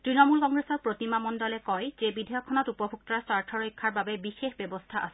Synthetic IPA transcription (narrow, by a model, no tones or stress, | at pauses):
tɹinɔmulkɔŋɡɹesɔɹpɹotimamɔndɔlɛkɔjzebidʱɔjɔkʰːɔnɔtupɔbʱuk̚tɔɹasaɹtʰɔɹoijkʰːaɹbabɛbixexbɛbɔstʰaʔa̰sɛ